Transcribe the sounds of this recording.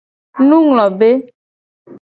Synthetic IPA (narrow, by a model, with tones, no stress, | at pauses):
nũ˦ŋlɔ̃˨be˦